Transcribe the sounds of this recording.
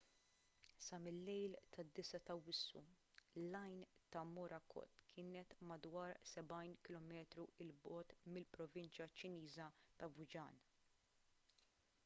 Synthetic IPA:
sɐmɪlːɛjlt̪ʰɐd̪ːɪsɐt̪ɐwɪsːṵ | lːɐjnt̪ɐmɔɾʔɐkɔ̰t̪kʰɪːnɛt̪mɐd̪wɐːɾsɛbɐjnkɪlɔmɛːt̪ɾuɪlbɔːt̪mɪlpɾɔvɪnt͡ʃjɐt͡ʃɪniːzɐt̪ɐvʊd͡ʒɐ̰ːn

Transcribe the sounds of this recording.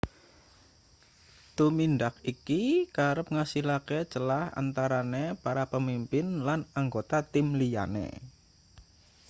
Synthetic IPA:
t̪umindakikikaɾəp̚ŋasilaket͡ʃəlaha̰nt̪aɾanepaɾapəmimpɪnlanaŋɡot̪at̪ɪmlija̰nḛ

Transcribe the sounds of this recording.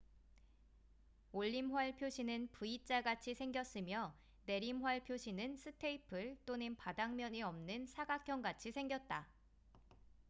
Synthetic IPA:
oʎːimɸwaɭpʰjoɕʰinɯnpuit͡ɕ͈aɡat͡ɕʰisʰe̞ŋɡjʌs͈ɯmjʌ | ne̞ɾimɦwaɭpʰjoɕʰinɯnsʰɯtʰe̞ipʰɯɭt͈onɯnpadaŋmjʌɲiʌmnɯnsʰaɡakʰjʌŋɡat͡ɕʰisʰe̞ŋɡjʌt̚t͈a

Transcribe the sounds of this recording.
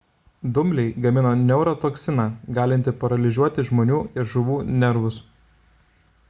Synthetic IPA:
d̪ʊmʲlʲɛɪɡɐmʲɪnoːnʲɛʊɾot̪oːksʲɪnɑːɡɑːlʲɪnʲt̪ʲɪpɐɾɐlʲɪzʲuɔt̪ʲɪʒmoːnʲuːɪɾʒʊʋuːnʲɛɾʋʊs

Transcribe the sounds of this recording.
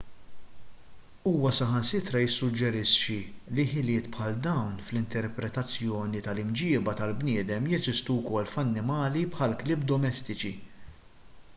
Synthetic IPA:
uːwɐsɐħɐnsɪt̪ɾɐjɪsːʊd͡ʒːɛɾɪʃːiliħɪlɪːt̪pħɐld̪ɐwnflɪnt̪ɛɾpɾɛt̪ɐt͡sːjɔːnit̪ɐlɪmd͡ʒɪːbɐt̪ɐlbnɪːd̪ɛmjɛzɪst̪uwkɔlːfɐnːɪmɐːlipħɐlklɪːbd̪ɔmɛst̪ɪt͡ʃi

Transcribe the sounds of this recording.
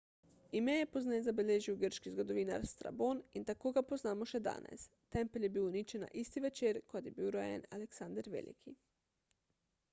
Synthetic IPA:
imɛjɛpoznɛzabeleːʒiwɡəɾʃkizɡod̪oʋiːna̰ɾst̪ɾa̰boːnint̪akoːɡapoznaːmoʃɛd̪a̰ːnɛ̰s | t̪ɛmpɛljɛbiwunit͡ʃɛna̰ʔist̪iʋɛt͡ʃeːɾkot̪jɛbiwɾojɛ̰na̰lɛksand̪əɾʋḛlʔḭkʰi

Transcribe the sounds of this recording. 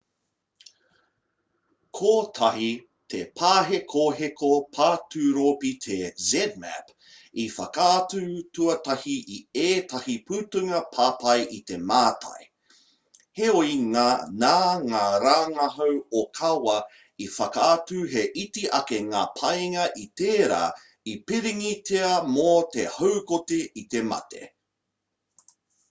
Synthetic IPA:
kʰoːtʰɐhi | tʰepʰaːɦekʰoɦekʰopʰaːtʉɾopit̪ʰezɛd̚mæ̰p | ifɐkatuʉtʰuɐtɐhiʔieːtʰɐhipʰʉːtuŋɐpʰaːpɐjʔit̪e̞maːtʰɐ̰j | heoiŋaːnaːŋaːɾaːŋɐɦɐwokʰɐwɐ | ifɐkaːtuɦeʔitiʔɐkeŋaːpʰɐjŋɐʔit̪eːɾa̰ː | ipiɾiŋitʰeɐmot̪ehowkoteit̪e̞mɐ̰tʰḛ

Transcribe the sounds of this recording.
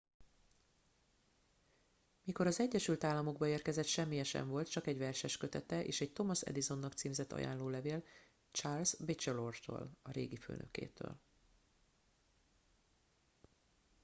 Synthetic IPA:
miko̞ɾɒzɛɟːɛʃylt̪aːlːɒmo̞ɡbɒeːrkɛzɛt̪ʃɛmːijɛʃɛ̰ɱvo̞lt̪̚t͡ʃɒkɛɟʋvɛrʃɛʃkø̞t̪ɛt̪ɛʔḛːʃɛc̚t̪o̞mɒsɛ̰d̪izo̞nːɒkt̪siːmzɛt̪ːɒ̰ja̰ːnloːlɛveːl | t͡ʃaːrlzbit͡ʃɛlo̞rt̪o̰ːlɒɾeːɡifø̰ːnʔø̞̰kḛːt̪ø̰ːl

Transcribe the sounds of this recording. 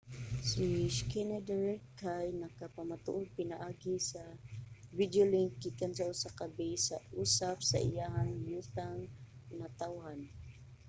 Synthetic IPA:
siskɛnɛd̪ɹɛkʰajnakapamat̪ʊ̰ʔʊd̪̚pɪnaʔaːɡɪsavid̪jolɪŋkːikans̬aʊsakabijsaʔuːsapsa̰ʔɪ̰jaɦaŋjut̪aŋnat̪awɦan

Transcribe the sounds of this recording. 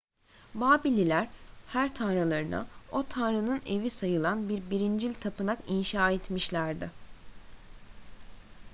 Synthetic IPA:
baːbilʲilʲæɾ̥hæɾt̪ʰanɾalˠaɾɯna̰o̞t̪ʰanɾɯnɯne̞visajɯlˠanbiɾbiɾind͡ʒilʲt̪ʰapɯnakinʃaːet̪miʃlʲæɾd̪ɪ

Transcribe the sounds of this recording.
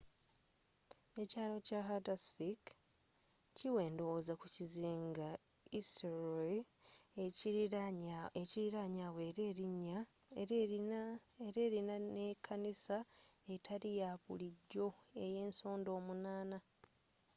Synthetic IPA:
e̞caːlo̞caɦadasfik | ciwe̞ːndo̞wozakuciziːŋɡa | isɾo | eciɾiɾaɲaːweːɾe̞ːɾiɲːa | eɾe̞ːɾinane̞kʰanisae̞tʰaɾijaβṵliɟːo̞e̞je̞ːnso̞ːndo̞ːmunaːna

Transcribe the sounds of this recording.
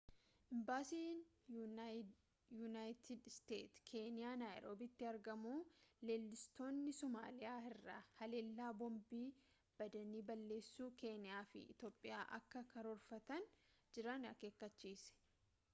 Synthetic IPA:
ʔɪmbaːsiːn | juːnaːjt̪ʰɪd̪st̪e̞̰ːt̪kʰe̞ːnɪjaːnaːjɾo̞ːbɪt̪ːɪɐɾɡɐmuːle̞ːlːɪst̪o̞ːnːɪsɔma̰ːlɪjaːɪrːa̰hɐle̞ːlːaːbɔmbiː | b̥ɐd̪ɐniːbɐlːe̞ːsːuːke̞ːnɪjaːfɪ̰ɪ̰t̪o̞ːpʼːɪja̰ːʔɐ̰kːɐkʰɐɾɔɾfɐt̪ɐnd͡ʒɪɾɐnɐ̰ke̞ːkːɐt͡ʃːiːsɛ̥

